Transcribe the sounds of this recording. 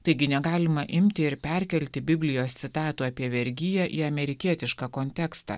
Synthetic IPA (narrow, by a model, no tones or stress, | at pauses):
t̪ɐɪɡʲɪnʲɛɡɑːlʲɪmɐʔɪmʲt̪ʲɪɪɾpʲɛɾʲkʲɛlʲt̪ʲɪbʲɪbʲlʲɪjoːst̪sʲɪt̪ɑːt̪uːɑːpʲiɛʋʲɛɾʲɡʲɪjɛʔiːɐmʲɛɾʲɪkʲiɛt̪ʲɪʃkɑːkoːnʲt̪ʲɛkst̪ɑ̰